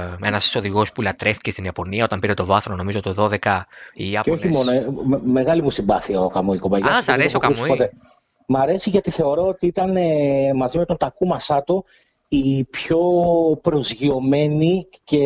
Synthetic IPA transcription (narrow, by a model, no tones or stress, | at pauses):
enɐso̞ðiɣo̞spulɐt̪ɾeft̪ice̞st̪iniɐpo̞niɐo̞t̪ɐmpiɾe̞t̪o̞vɐθɾono̞mizot̪oðo̞ðekɐiɐeoçimo̞nome̞ɣɐlimusimbɐθiɐokɐmuikobɐʝɐsɐɾesiokɐmsupot̪e | mɐɾe̞siʝɐt̪iθe̞o̞ɾo̞ot̪iit̪ɐnemɐzimet̪ot̪ɐkumɐsɐt̪o | ipço̞pɾo̞zʝio̞me̞nice̞